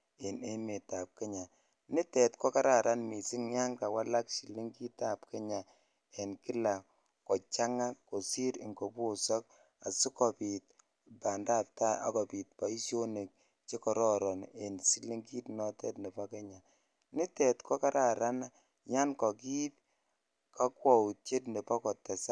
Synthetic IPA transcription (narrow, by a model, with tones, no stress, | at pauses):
e˨ne˦me˨ta˨p̚ke˦ɲa˨ | nɪ˦tɛ˨tkɔ˦ka˦ɾa˨ɾa˦nmi˨sɪ˦ŋɲa˦nka˨wa˦la˦kʃi˨le˦ŋki˦ta˨p̚ke˦ɲa˨ | e˨nki˦la˨ | kɔ˨t͡ʃa˦ŋa˦ko˨si˦ɾi˨ŋɡo˨po˦sɔ˦k | a̰˨su˦kɔ˨pi˨t̚ | ba˨nda˦˨p̚ta˦a̰˨kɔ˨pi˨t̚pa˨i˦ʃjo˦ne˨k̚ | t͡ʃe˦kɔ˨ɾɔ˦ɾɔ˨ne˨nsi˦le˦ŋki˦tnɔ˦tɛ˦tne˨pɔ˦ke˦ɲa˨ | nɪ˦tɛ˨tkʰɔ˦ka˦ɾʔa˨ɾa˦na˦ | ɲa˦nkɔ˨ki˦t̚ | ka˦kwɔ˨wu˨t͡ʃe˦tne˨pɔ˦kɔ˨tɛ˨sa˦